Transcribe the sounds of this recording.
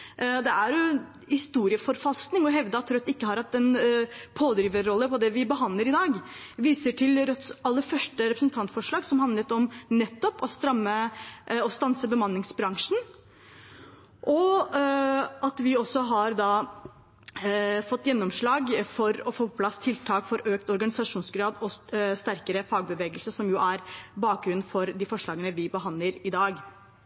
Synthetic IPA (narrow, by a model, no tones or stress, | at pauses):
d̪ɛæɾjʊ | hɪst̪uːɾɪəfɔɾfɑlsknɪŋɔɦɛʋd̪əɑt̪ʰːɾœt̪ːɪkːəhɑɾhɑt̪ːɛnpʰoːd̪ɾiːʋəːɔlːəpʰɔd̪ɛʋɪbəɦɑnləɾɪd̪ɑːɡʋiːsəʈʰɪlɾœt̪ɑlːəɾfœʂʈəɾɛpɾəsnt̪ʰɑnt̪fɔʂɭɑːɡsɔmɦɑnd̪lət̪ɔmnɛt̪ːɔpɔst̪ɾɑmːəɔst̪ɑnsəbəmɑnːɪŋsbɾɑŋʂn̩ | ʔɔ | ɑt̪ʋɪɔsːɔɦɑɾd̪ɑː | fɔt̪ːjɛnːɔmʂɭɑːɡfɔɾɔfoːppʰlɑst̪ʰɪlt̪ʰɑːkfɔɾʔøːk̚t̪ɔɾɡɑnɪsɑʂuːnsɡɾɑːd̪ɔst̪æɾkəɾəfɑːɡ̚bəʋeːɡəlsəsɔmjʊʔæɾbɑːk̚ɡɾʉnfɔɾd̪ɪfɔʂɭɑːɡənəʋɪbəɦɑnləɾɪd̪ɑːɡ